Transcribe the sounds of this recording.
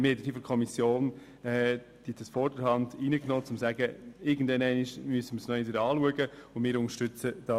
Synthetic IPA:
mɛtd̥iːfɔɾkʰɔmisjoːn | ɛ | d̥idəsfɔɾdəɾhɑndiːnəknoːt͡sʊmsæɡəɪɾɡən̩dvɛnæɪniʃmyəsəməsnɔidəɾɑːluəɡəʊnmɪːɾʊŋəɾʃtʏt͡səd̥ɑ

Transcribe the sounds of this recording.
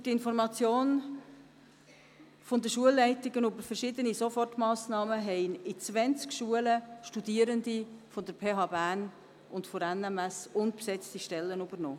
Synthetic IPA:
tɪnfɔɾmɑt͡sjoːn | fond̪əʃuəlːɛɪtɪɡənybəɾfəɾʃɪːd̪ənisofɔrtmɑːsnɑːməɦɛɪnɪt͡svɛnt͡skʃuələʃtud̪iːəɾənd̪ifod̥̪əɾpʰeːɦɑːbæn | ʔʊntfoɾɛnɛmæsʊntpsɛt͡stiʃtɛlːənybəɾnɔ̰ː

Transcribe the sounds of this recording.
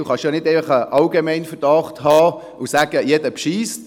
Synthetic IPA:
uχɑʃjonɪdɛɪfəχəʔɑlɡemɛɪnfəɾd̥ɑχthɑː | ʊsæːɡ̥əjɛdəpʃiːst

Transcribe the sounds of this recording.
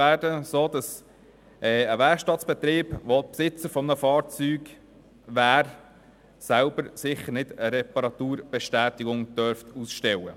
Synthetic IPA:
æːdəsoːd̥̪ɑs | ʔɛːəʋɛɾkʃtɑt̪sb̥ɛt̪ɾiːb̥ʋopsɪt͡səɾfɔmnəfɑːɾt͡syːɡ | ʋæːɾ | sæʊbəɾsɪχəɾnɪdəɾɛpɑɾɑt̪uːɾb̥ɛʃtæːt̪ɪɡʊŋd̥œɾft̪ʰusʃtɛwə̰

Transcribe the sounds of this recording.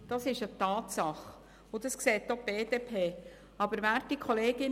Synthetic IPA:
d̥ɑsɪʃət̪ɑːt̪sɑχ | ʊd̥̪ɑskseːt̚d̪ob̥eːdeːpʰeː | ɑbəɾʋæːɾtikʰɔleːɡ̥ɪn

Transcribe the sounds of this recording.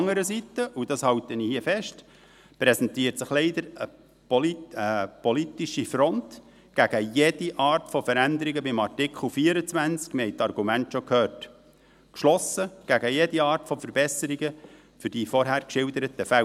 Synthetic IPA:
ŋːəɾəsit̪əʔud̥ɑshɑwt̪ənihiəfɛʃt | prɛsɛnt̪iːəɾtsɪχlɛɪd̪əɾə | pləpɔlit̪iʃifɾɔnt | ɡ̥æɡ̥əjed̥iʔɑːrtfɔfəɾænd̪əɾiɡəbɪmɑrtɪkχl̩ˠfiːəɾət͡sʋænt͡skmɪhɛɪjtɑrɡumæntʃɔkʰhøːrt | kʃlɔsəɡ̥æɡəjediɑːrtfɔfəɾbɛsəɾiɡə | fʏɾd̥ifɔɾɦæːɾkʃɪldəɾət̪əfæ

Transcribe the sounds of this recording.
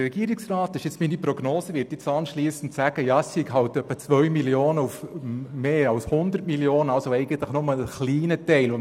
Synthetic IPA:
ɾɛɡ̥iːɾɪksrɑːtɪʃjɛt͡sminipɾoɡnoːsəʋɪːtjɪt͡sɑnʃliːsən̩tsæɡ̥əjɑsikɦɑltœpːət͡sʋœʏmiljoːnəufmeːɑlshʊnd̪ərtmiljoːnəɑlsoɛɪɡ̥ən̩t̪lɪχnɔmələχliːnətɛɪlʊ

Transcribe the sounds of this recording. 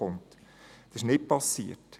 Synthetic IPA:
ʊŋt̪ | d̥ɑsɪ̥ʃnɪt̚pɑsḭət

